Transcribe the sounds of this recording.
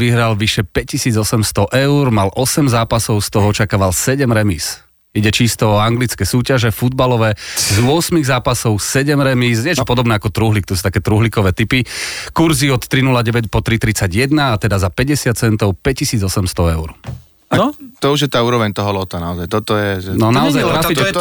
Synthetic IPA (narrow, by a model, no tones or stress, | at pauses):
ʋiɦɾalʋiʃɛpɛc̚ːisiːd͡zɔsɛmst̪ɔʔɛʊɾmalʔɔsɛmzaːpasɔʊst̪ɔɦɔɔt͡ʃakaːʋalsɛɟɛmɾɛmiːs | iɟɛt͡ʃist̪ɔɔaŋɡlit͡skɛːsuːcaʒɛfud̪̚balɔʋɛzʊɔsmiɣzaːpasɔʊsɛɟɛmɾɛmiːs̬ɲɪɛɛt͡ʃɔpɔd̪ɔbnɛːakɔt̪ɾuɦlik̚t̪ɔsut̪akɛt̪ɾuɦlikɔʋɛːt̪ipikuɾziɔt̪ːɾinulaɟɛʋɛcpɔt̪ɾit̪ɾit͡saɟjɛd̪naːt̪ɛd̪azapɛɟɛsɪat̪̚t͡sɛnt̪ɔʊpɛccisiːd͡zɔsɛmst̪ɔɛʊɾ | at̪ɔuʒjɛt̪aːuːɾɔʋɛɲt̪ɔɦɔlɔt̪anaɔzajt̪ɔt̪ɔjɛɛnɔnaɔzajnas